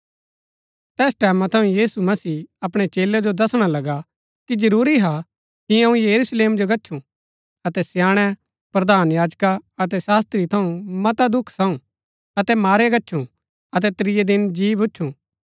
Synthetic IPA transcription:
t̪ɛːsʈɛːmãt̪ʰɐ̃ũjiːsumɐsiːɐpɽ̃et͡ʃeːlɛd͡ʒod̪ɐsɽ̃alɐɡa | kid͡ʒɐɾuːɾiɦa | kiɐ̃ũjɐɾusleːmd͡ʒoɡɐtːʃʰũ | ɐt̪ɛsjaːɽ̃ɛ | pɾɐd̪aːnjaːd͡ʒkaɐt̪̬ɛsaːs̬t̪ɾit̪ʰɐũmɐt̪ad̪ʊkʰsɐũ | ɐt̪ɛmaːɾeɡɐːʃʰũ | ɐt̪ɛt̪ɾɪjed̪ɪnd͡ʒiːbʊːʃʰũ

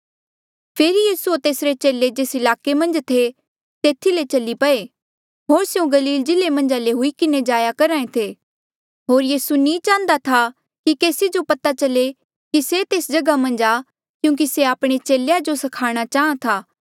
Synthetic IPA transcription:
pʰeːɾijiːsuot̪eːsɾet͡ʃeːled͡ʒeːsɪlaːkemɐ̃nd͡ʒt̪ʰe | t̪eːt̪ʰilet͡ʃɐlipɐe | ɦoːɾseũɡɐliːld͡ʒɪlemɐ̃nd͡ʒaleɦʊikɪned͡ʒaːjakɐɾãːẽt̪ʰeː | ɦoːɾjiːsunĩːt͡ʃãːnd̪at̪ʰa | kikeːsid͡ʒopɐt̪at͡ʃɐle | kiset̪eːsd͡ʒɐɡamɐ̃nd͡ʒa | kjũːk̬iseaːpɽ̃et͡ʃeːlejad͡ʒosɐkʰaːɽ̃at͡ʃaːɦãt̪ʰaː

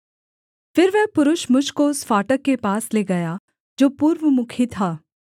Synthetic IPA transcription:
fɪɾʋɛɦpʊɾʊʃmʊt͡ʃkoʊsfaːʈəkːepaːsleːɡɐjaː | d͡ʒoːpuːɾʋəmʊkʰit̪ʰaː

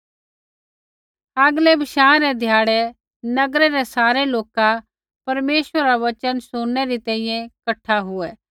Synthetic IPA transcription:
aɡlebʱɪʃãːɾɛd̪ʱjaːɽɛ | nɐɡɾɛɾɛsaːɾeloːka | pɐɾmeːʃʋəɾɾaʋɐt͡ʃənsʊ̃ːɛɾit̪ɛ̃ːĩjɛ̃kɐʈʰːaɦʊɛː

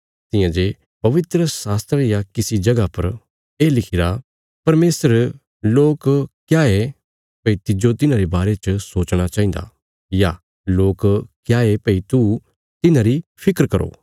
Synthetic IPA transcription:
t̪ɪ̃jãːd͡ʒe | pɐʋɪt̪ɾəsaːst̪ɾəjakɪsid͡ʒɐɡapɐɾ | eːlɪkʰɪɾa | pɐɾmeːsəɾ | loːkkːjaːe | pɐit̪ɪd͡ʒot̪ɪnãɾebaːɾet͡ʃəsoːt͡ʃɽ̃at͡ʃaːĩnd̪a̰ | ja | loːkkːjaːepɐit̪u | t̪ɪnãɾipʰɪkɾkɐɾo̰ː

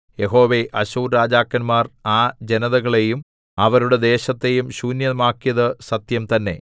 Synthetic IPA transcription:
je̞ɦo̞ːʋe̞ʔɐɕuːɾɾaːd͡ʑaːkːɐnmaːraːd͡ʑe̞nɐðɐɣɐɭe̞jum | ɐʋɐɾuɽe̞d̪e̞ːɕɐt̪ːe̞jumɕuːnjɐmaːkːijɐðɨsɐt̪jɐmt̪ɐnːe̞̰

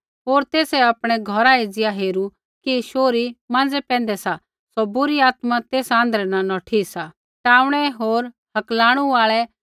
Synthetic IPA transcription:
ɦoːɾt̪eːsɛɐpɽ̃ɛɡʱɔɾaid͡zɪaɦeːɾu | kiʃoːɾimãːnd͡zɛpɛ̃ːn̆d̪ɛsa | sɔbʊɾiaːt̪mat̪eːsãːnd̪ɾɛnanɐʈʰiːksa | ʈaːʊɽ̃ɛɦoːɾ | hɐklaːɽ̃uaːɭɛ

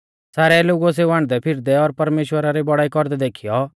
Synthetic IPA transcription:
saːɾɛloːɡɔs̬euãːɳ̃d̪ɛpʰɪɾd̪ɛɔɾpɐɾmeːʃwəɾaɾɛbɔɽaːikɔɾd̪ɛd̪eːkʰijɔ

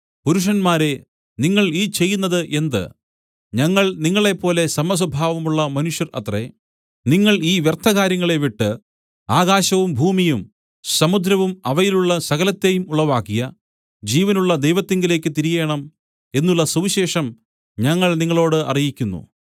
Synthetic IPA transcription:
puɾuʂ̬ɐnmaːɾe̞ | niŋːɐɭiːt͡ɕe̞jːunːɐðɨʔe̞nd̪ɨ̰ | ɲɐŋːɐɭniŋːɐɭe̞pːo̞ːle̞sɐmːɐs̬ɐbʱaːʋɐmuɭːɐmɐnuʂjɐrɐ̰t̪re | niŋːɐɭiːʋjert̪ʰɐɣaːɾjɐŋːɐɭe̞ʋiʈːɨ | aːɣaːɕɐʋumbʱuːmijum | sɐmud̪ɾɐʋumɐʋɐjiluɭːɐsɐɣɐlɐt̪ːe̞jumuɭːɐʋaːkːijɐ | d͡ʑiːʋɐnuɭːɐd̪ejʋɐt̪ːiŋɡile̞ːk̬ʲːɨt̪iɾijeːɳɐm | e̞nːuɭːɐsuʋiɕe̞ːʂɐm | ɲɐŋːɐɭniŋːɐɭo̞ːɽɨɐ̰rijikʲːunːṵ

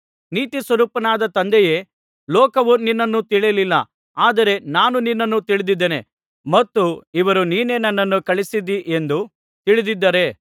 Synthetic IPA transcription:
niːt̪isʋɐɾuːpɐnaːd̪ɐt̪ɐnd̪eje̞ː | lɔːkɐʋuninːɐnːut̪iɭijɐlilːɐ̰ | aːd̪ɐɾe̞naːnuninːɐnːut̪iɭid̪id̪ːene̞̰ | mɐt̪ːuiʋɐɾuniːne̞ːnɐnːɐnːukɐɭisid̪iʔe̞nd̪u | t̪iɭid̪id̪ːɐɾe̞

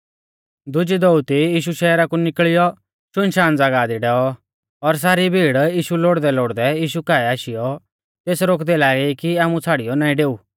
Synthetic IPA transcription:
d̪ʊd͡ʒid̪ɔut̪ijiːʃuʃɛːɾakunɪkɭɪjɔ | ʃʊnʃaːnd͡zaːɡaːd̪iɖɛːɔ | ɔɾs̬aːɾibʱiːɽjiːʃuloːɽd̪ɛloːɽd̪ɛjiːʃukaːɛaːʃɪjɔ | t̪eːsɾoːkd̪ɛlaːɡikiaːmut͡sʰaːɽɪjɔnaːĩɖeːuː

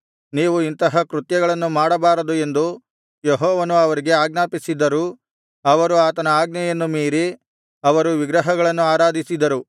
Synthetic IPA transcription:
niːʋuint̪ɐɦɐkɾut̪jɐɡɐɭɐnːumaːɽɐbaːɾɐd̪ue̞nd̪u | jeɦɔːʋɐnuɐʋɐɾiɡe̞aːɡnaːpisid̪ɐɾu | ɐʋɐɾuaːt̪ɐnɐaːɡ̚nɐjɐnːumiːɾi | ɐʋɐɾuʋiɡɾɐɦɐɡɐɭɐnːuaːɾaːd̪ʱisid̪ɐɾu

